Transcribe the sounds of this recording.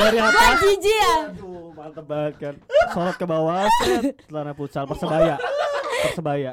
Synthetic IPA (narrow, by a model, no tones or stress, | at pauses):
daɾiɦatad͡ʒid͡ʒiaumaat̪əbat̪̚kansolɔt̪̚kəbawasansətanaput͡ʃalpərsəbajapəsəbaja